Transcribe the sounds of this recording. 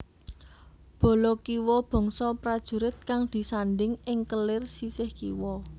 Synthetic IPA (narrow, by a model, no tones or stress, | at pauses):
b̥ɔ̤lɔkiwɔb̥ɔ̤ŋsɔpɾad̥ʒ̥ṳɾɪt̪̚kaŋd̪̥i̤sanɖɪŋɪŋkəlɪrsisɪhkḭwɔ